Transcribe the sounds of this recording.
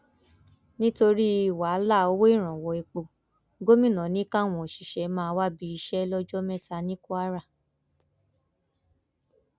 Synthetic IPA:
nĩ˦to˧ɾi˦i˨wa˨˦la˦˨o˧˦wo˦i˦˨ɾ̃ã˨wɔ˨i˨˧k͡po˨ | ɡo˦mĩ˦˨nã˨˦nĩ˦ka˦˨w̃ɔ̃˨ʃi˨ʃɛ˨˦mãː˦˧wa˦bi˨˧i˧ʃɛ˦lɔ˦d͡ʒɔ˦mɛ̃˦˨ta˧nĩ˦ku˦a˦ɾa˦˨

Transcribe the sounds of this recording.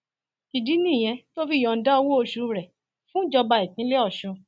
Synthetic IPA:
ti˨di˨˦nĩ˦˨j̃ɛ̃˧to˦fi˦˨ɔ̃˨˧n̩˦da˦ɔ˧wo˦o˧ʃu˧˦ɾɛ˨ | fũ˦d͡ʒɔ˧ba˧i˨tĩ˨˦le˦ɔ˦˨ʃũ˧

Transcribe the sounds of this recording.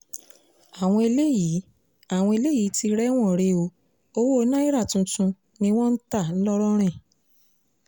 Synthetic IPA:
a˨w̃ɔ̃˧e˧le˦ji˨˦ | a˦˨w̃ɔ̃˧e˧le˦ji˨˦ti˧ɾɛ˦w̃ɔ̃˦˨ɾe˧o˧˦ | o˧wo˦˨˦nã˦i˦ɾa˦˨tũ˧tũ˧ | nĩ˧w̃ɔ̃˦n̩˦ta˦˨n̩˦lɔ˦ɾɔ˦ɾ̃ɛ̃˦˨

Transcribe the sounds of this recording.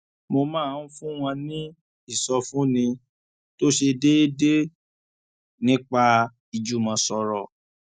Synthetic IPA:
mo˧mãː˦˨n̩˦fũ˦w̃ɔ̃˧nĩ˦ | i˦˨sɔ˧fũ˦nĩ˧ | to˦ʃe˧de˦de˦ | nĩ˦k͡pa˧ | i˨d͡ʒu˨mã˧sɔ˧ɾɔ˨

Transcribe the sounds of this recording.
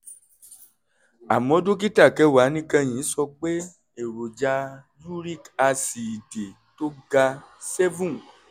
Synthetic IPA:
a˨mɔ̃˨˦do˦k̬i˦ta˦˨kɛ˨˧wa˨˦nĩ˦kã˧j̃ĩ˨˦sɔ˧k͡pe˦ | e˨ɾo˨d͡ʒa˧ | ju˦ɾi˦˨ka˧si˨i˨de˨ | to˦ɡa˧sɛ˦vũ˦˨

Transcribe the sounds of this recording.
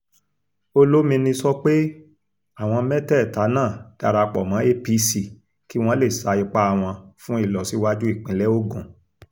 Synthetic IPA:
o˦lo˦mĩ˧nĩ˧sɔ˦k͡pe˦ | a˦˨w̃ɔ̃˧mɛ˦tɛ˦˨ta˨˦nãː˦˨d̥a˧ɾa˧k͡pɔ˨mã˨˦e˦˨pi˧si˨ | ki˦w̃ɔ̃˦le˦˨sa˨˧i˧k͡pa˦˨w̃ɔ̃˧fũ˦i˦˨lɔ˨si˨˧˦wa˦d͡ʒu˦i˦˨k͡pĩ˨˦lɛ˦o˦ɡũ˨

